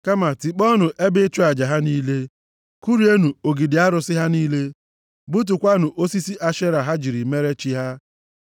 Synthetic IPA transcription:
ka˦ma˨ti˨k͡pɔ˦nʊ˨ʔe˦be˦t͡ʃʊ˦a˨d͡ʒa˨ɦa˦niː˦le˦ | ku˦ɾi˨˦e˦nu˨o˨ɡi˨dɪ˨a˦ɾʊ˨˦sɪ˦ɦa˦niː˦le˦ | bu˦t̬u˨kʷa˦nʊ˨ʔo˦si˦si˦ʔa˦ʃe˦ɾa˨ɦa˦d͡ʒi˨ɾi˨me˦ɾe˦t͡ʃi˦ɦa˦

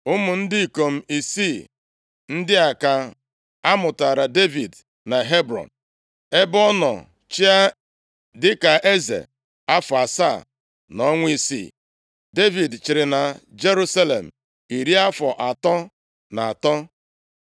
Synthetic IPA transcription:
ʊ˦mʊ˨n̩˦dɪ˦i˨ko˨m̩˦i˨si˦˨ | n̩˦dɪ˦a˨ka˨ | a˦mʊ˨ta˨ɾa˨de˦vi˨d | na˨ɦe˦bɾɔ̰˨n | e˦bɔ˦nɔ̰˨ | t͡ʃi˦a˦ | dɪ˦ka˨ʔe˦zḛ˨ | a˦fɔ˨a˨sa˦˨ | nɔ˦ŋʷ˦i˦sḭ˦˨ | de˦vi˨dt͡ʃɪ˨ɾɪ˨na˨d͡ʒe˦ɾu˦sa˦lḛ˨m̩˨ | i˨ɾi˦a˦fɔ˨ʔa˨tɔ˦ | na˨a˨tɔ˦

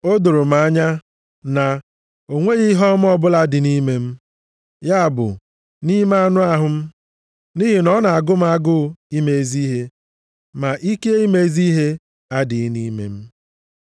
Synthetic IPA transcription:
o˦dʊ˨ɾʊ˨m̩˨a˦ɲa˦ | na˨ | o˨ŋʷe˦ɣi˦ɦɔ˦m˦ɔ˦bʊ˦la˦dɪ˨ni˦me˦m̩˦ | ja˦a˨bʊ̰˨ | ni˦m˦a˦nʊ˦a˦ɦʊ˨m̩˦ | ni˦ɦi˨nɔ˦na˨a˨ɡʊ˦m̩˦a˦ɡʊ˦i˦me˨e˦˨zi˦ɦe˦ | ma˨ʔi˦ke˦i˦me˨˦zi˦ɦe˦ | a˦dɪ˨˦ni˦mḛ˨m̩˦

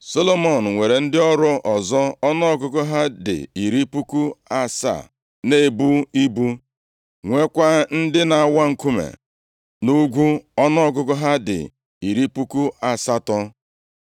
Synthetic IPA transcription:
so˦lo˦mo˨n̩˨ŋʷe˨ɾe˨n̩˦dɪ˦ɔ˦ɾʊ˦ʔɔ˨zɔ˦ɔ˦nɔ˦ɔ˦ɡʊ˦ɡʊ˦ɦa˦dɪ̰˨i˨ɾi˦pu˦ku˦a˦sa̰˦˨ | ne˦˨bu˦i˦bu˦ | ŋʷe˦kʷa˦n̩˦dɪ˦na˨a˨˦wa˦ŋ̩˨ku˦mḛ˨ | nu˦ɡʷu˦ɔ˦nɔ˦ɔ˦ɡʊ˦kʊ˦ɦa˦dɪ̰˨ | i˨ɾi˦pu˦ku˦a˨sa˦tɔ˦

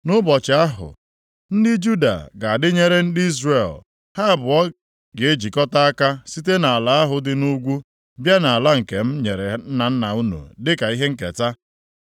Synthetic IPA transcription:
nʊ˦bɔ˨t͡ʃɪ˨˦a˦ɦʊ̰˨ | n̩˦dɪ˦d͡ʒu˦da̰˨ɡa˨a˨dɪ˦ɲe˦ɾe˦n̩˦dɪ˦i˦zre˨l | ha˦a˨bʊ˨ɔ˦ | ɡe˨e˦d͡ʒi˨kɔ˦ta˦a˦ka˦si˦te˦na˨a˨la˦a˦ɦʊ˨dɪ˦nu˦ɡʷu˦ | bja˦na˨a˨la˦ŋ̩˨ke˨m̩˦ɲe˨ɾe˨˦na˨n̩˦na̰˨u˦nṵ˨dɪ˦ka˨i˦ɦe˦ŋ̩˦kḛ˨ta˦

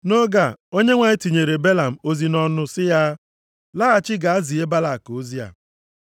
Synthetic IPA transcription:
no˦ɡa˨o˦ɲe˦ŋʷa˨ɲ˦ti˨ɲe˨ɾe˨be˦la˨m̩˨o˦zi˨nɔ˦nʊ˦sɪ˦ja˦ | la˦a˨t͡ʃɪ˦ɡa˨a˦zi˨e˦ba˦la˨ko˦zi˦a̰˨

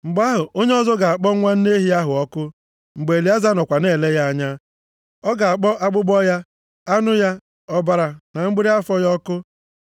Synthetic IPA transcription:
ŋ͡m̩˨ɡ͡ba˦ɦʊ˨ʔo˦ɲe˦ɔ˦zɔ˦ɡa˨a˨k͡pɔ˦ŋʷa˦n̩˦ne˦ɦi˦a˦ɦʊ˨ɔ˦kʊ˦ | ŋ͡m̩˨ɡ͡be˨li˨˦a˦za˦nɔ˨kʷa˨ne˦˨le˦ja˦a˦ɲa˦ | ɔ˦ɡa˨a˨k͡pɔ˦ʔa˦ɡ͡bʊ˦ɡ͡bɔ˦ja˦ | a˦nʊ˦ja˦ | ɔ˦ba˨ɾa˨na˨ŋ͡m̩˦ɡ͡bi˦ɾi˦a˦fɔ˦jɔ˦kʊ˦

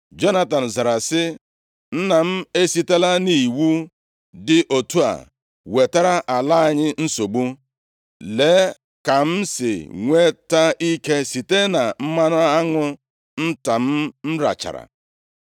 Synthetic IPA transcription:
d͡ʒo˦na˦ta˨n̩˨za˨ɾa˨sɪ˦ | n̩˦na˨m̩˦e˦si˦te˦la˦ni˦˨wu˦ | dɪ˦ʔo˨tu˦a̰˨ | we˨ta˦ɾa˦ʔa˨la˦a˨ɲɪ˦n̩˦so˨ɡ͡bu˦ | le˨˦ | ka˨m̩˦sɪ̰˨ŋʷe˦ta˦i˦ke˦si˨te˦na˨m̩˦ma˦nʊ˦a˦ŋʷʊ˦ | n̩˦ta˨m̩˦n̩˦ɾa̰˨t͡ʃa̰˨ɾa̰˨

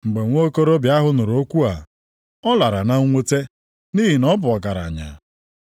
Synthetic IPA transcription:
ŋ͡m̩˨ɡ͡be˨ŋʷo˦ko˦ɾo˦bja˦ɦʊ˦nʊ˨ɾo˦kʷu˦a˨ | ɔ˦la˨ɾa˨na˦ŋʷo˦te˦ | ni˦ɦi˨nɔ˦bʊ˨ɔ˨ɡa˨ɾa̰˨ɲa̰˨

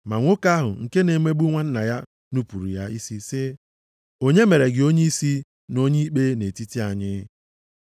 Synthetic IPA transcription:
ma˨ŋʷo˦ka˦ɦʊ̰˨ŋ̩˨ke˦ne˨me˦ɡ͡bu˦ŋʷa˦n̩˦na˨ja˦ | nu˦pu˨ɾṵ˨ja˦i˦si˦sɪ˦ | o˦ɲe˦me˨ɾe˨ɡɪ˨o˦ɲe˦i˦si˦ | no˦ɲi˦k͡pe˦ne˨ti˦ti˦a˨ɲɪ˦

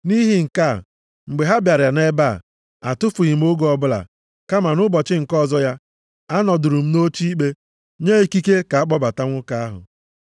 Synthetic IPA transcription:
ni˦ɦi˨ŋ̩˨ka˦˨ | ŋ͡m̩˨ɡ͡be˨ɦa˦bja˨ɾja˨ne˦ba̰˦˨ | a˨tʊ˦fʊ˨ɣɪ˨m̩˦o˦ɡɔ˨bʊ˦la̰˨ | ka˦ma˨nʊ˦bɔ˨t͡ʃɪ˦ŋ̩˨kɔ˦zɔ˦ja˦ | a˦nɔ˨dʊ˨ɾu˨m̩˦no˦t͡ʃi˦k͡pe˦ | ɲe˦i˨ki˦ke˦ka˨a˦k͡pɔ˦ba˨ta˦ŋʷʊ˦ka˦a˦ɦʊ̰˨

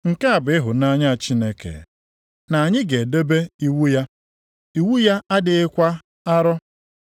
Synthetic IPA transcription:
ŋ̩˨ka˦a˨bɪ˦ɪ˦ɦʊ˨na˦ɲa˦˨t͡ʃi˦ne˦kḛ˨ | na˨a˨ɲɪ˦ɡe˨de˦be˦i˦wu˦ja˦ | i˦wu˦ja˦a˦dɪ˨ɪ˦kʷa˦ | a˦ɾɔ˦

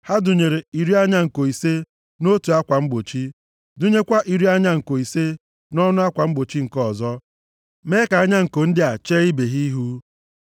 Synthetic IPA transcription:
ha˦du˨ɲe˨ɾe˨i˨ɾi˦a˦ɲa˦ŋ̩˨ko˨i˨se˦ | no˦tu˨a˦kʷa˨ŋ͡m̩˦ɡ͡bo˨t͡ʃi˦ | du˦ɲe˦kʷa˦ʔi˨ɾi˦a˦ɲa˦ŋ̩˨ko˨i˨se˦ | nɔ˦nʊ˦a˦kʷa˨ŋ͡m̩˦ɡ͡bo˨t͡ʃi˦ŋ̩˨kɔ˦˨zɔ˦ | me˦ka˨a˦ɲa˦ŋ̩˨ko˨n̩˦dɪ˦a˨t͡ʃe˦i˦be˨ɦi˦ɦu˦

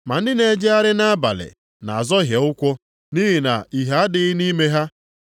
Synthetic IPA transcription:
ma̰˨n̩˦dɪ˦ne˨˦d͡ʒe˦a˦ɾɪ˦na˦a˦ba̰˨lɪ̰˨ | na̰˨a˨zɔ˦ɦje˨ʊ˦kʷɔ˦ | ni˦ɦi˨na̰˨i˨ɦa˨a˦dɪ˦ɪ˦ni˦me˦ɦa˦

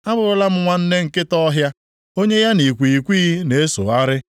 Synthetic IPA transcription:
a˦bʊ˨ɾʊ˦la˦m̩˦ŋʷa˦n̩˦ne˦ŋ̩˨kɪ˦tɔ˦ɦja˦ | o˦ɲe˦ja˦ni˨kʷi˨i˨kʷiː˦ne˨e˦so̰˨a˦ɾɪ˦

